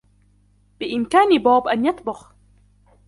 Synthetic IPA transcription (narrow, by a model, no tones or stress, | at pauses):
bɪʔɪmkaːnbaːbʔanjɑt̪ˤbʊx